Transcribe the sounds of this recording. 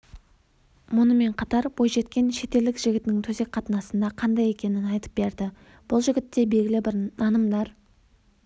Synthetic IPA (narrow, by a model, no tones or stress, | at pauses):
mʊnəme̞ɴqʰɑt̪ɑɾbo̞jʒe̞t̪kʲe̞nʃe̞t̪e̞ld̪ɪkʒ̥ɪɡʲɪt̪nɪŋt̪ʰɵze̞k̚ʲqʰɑt̪ənɑsənd̪ɑqʰɑnd̪ɑje̞kʲe̞nɪnɑjt̪ə̥p̚be̞ɾd̪ɪ | b̥ʊlˠʒɪɡʲɪt̪ːe̞be̞lɡʲɪlɪbɪɾnɑnəmd̪ɑɾ